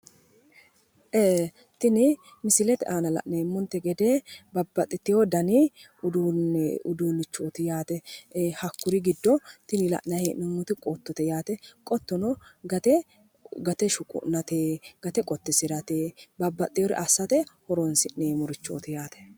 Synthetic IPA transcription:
ʔeː | t̪ɪnɪ | mɪsɪlɛt̪ɛʔaːnɐlɐ̰ʔnemːɔnt̪ːɛɡɛd̪eːbɐbːɐt̪ʼːɪt̪ːɪjɔd̪ɐnɪ | ʊd̪uʊd̪uːnɪt͡ʃːoːt̪ɪjaːt̪ɛhɐkːʊɾɪɡɪd̪ːɔt̪ɪnɪlɐ̰ʔnɐhenʊŋːʊt̪ɪkʼot̪ːɔt̪ɛjaːt̪ɛkʼɔt̪ːɔnɔɡɐt̪ɛ | ɡɐt̪ɛʃʊkʼʊ̰ʔnɐt̪eːɡ̥ɐt̪ɛkʼɔt̪ːɪsɪɾɐt̪eːbɐbːɐt̪ʼːɪjɔɾɪ̰ʔɐsːɐt̪ɛhɔɾɔnsɪnneːmʊɾɪt͡ʃːo̰ːt̪ɪjaːt̪ɛ̥

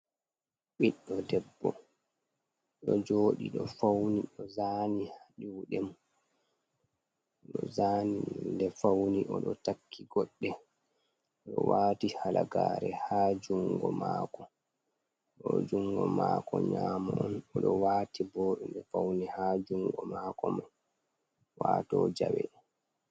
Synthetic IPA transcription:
ɓiɗːɔdɛbːɔ | ɗɔd͡ʒoːɗiɗɔfawniɗɔzaːnihaɗuwɗɛm | ɗɔzaːnidɛfawniʔɔɗɔtakʰːiɡɔɗːɛ | ɗɔwaːtihalaɡaːɾɛhaːd͡ʒuŋɡɔmaːkɔ | ɗɔd͡ʒuŋɡɔmaːkɔɲamaʔɔnɔɗɔwaːtibɔːɗundɛfawnihaːd͡ʒuŋɡɔmaːkɔman | waːtɔd͡ʒawɛ̰

